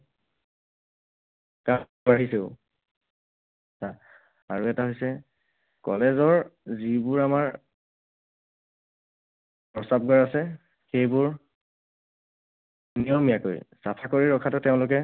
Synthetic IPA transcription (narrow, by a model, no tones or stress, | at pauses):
ka | baɦiseʊ | sa | aɹuɛtaɦojsɛ | kɔ̰lɛzɔɹzibʊɹamaɹ | pɹɔsab̚ɡɔɹasɛ | xejbuɹ | nijɔmijako̰jsapʰakoɹiɹɔkʰatʊtɛʊ̃lʊkɛ